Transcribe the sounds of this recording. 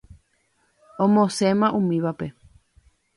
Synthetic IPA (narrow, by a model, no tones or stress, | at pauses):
õmõsemãʔũmĩβape